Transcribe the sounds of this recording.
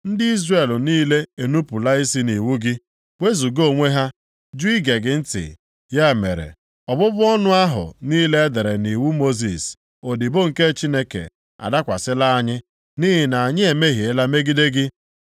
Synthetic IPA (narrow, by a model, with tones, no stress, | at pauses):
n̩˦dɪ˦i˦zre˨lniː˦le˦e˨nu˦pu˨la˦i˦si˦ni˨wu˦ɡɪ˦ | we˦zu˨ɡo˦˨ŋʷe˦ɦa˦ | d͡ʒu˦i˦ɡe˨ɡɪ˨n̩˦tɪ̰˨ | ja˦˨me˨ɾḛ˨ | ɔ˨bʊ˦bʊ˦ɔ˦nʊ˦a˦ɦʊ̰˨niː˦le˦e˦de˨ɾe˨ni˨wu˦mo˦zḭ˨s | o˨di˨bo˦ŋ̩˨ke˦t͡ʃi˦ne˦kḛ˨ | a̰˨da˦kʷa˨sɪ˦la˦a˦ɲɪ˦ | ni˦ɦɪ˨na˨a˨ɲɪ˦e˨me˦ɦi˨e˦la˦me˦ɡi˦de˦ɡɪ˦